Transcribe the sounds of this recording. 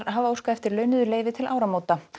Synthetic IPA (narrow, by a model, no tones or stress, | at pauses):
ɾɦavaowskaɛft̪ɪɾlœːɥnʏðʏleːjvɪt̪ʰɪlaːwɾamoːwt̪a